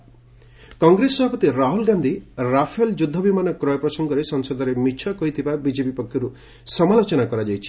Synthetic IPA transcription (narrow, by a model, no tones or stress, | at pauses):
kɔŋɡɾesːɔbʱapɔt̪iɾaɦulɡand̪ʱiɾapʰeld͡ʒud̪ʱːɔbimanɔkɾɔjɔpɾɔsɔŋɡɔɾesɔŋsɔd̪ʱɔɾemit͡ʃʰɔkɔɦit̪ʰibabid͡ʒepipɔkʰːjɔɾu | sɔmalot͡ʃɔnakɔɾad͡ʒajt͡ʃʰi̥